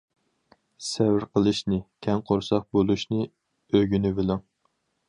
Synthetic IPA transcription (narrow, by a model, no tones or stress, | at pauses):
sɛvɪɾqəlˠɨʃnɨkʲʰɛŋqʰoɾsɑq̚bolˠuʃnɨ | øɡʲynɪbɪlɪŋ